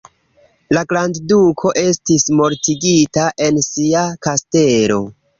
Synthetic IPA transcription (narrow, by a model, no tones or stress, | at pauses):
laɡɾanddukʰo̞ʔe̞stismo̞ɾtiɡitaʔe̞nsiakaste̞lo̞̰